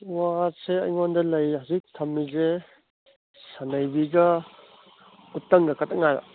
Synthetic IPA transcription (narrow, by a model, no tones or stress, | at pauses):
waseɐ̰jŋɔndɐlɐjhazik̚tʰɐmːize | sanajbiɡɐ | utːɐŋɡɐkʰataŋaɾa̰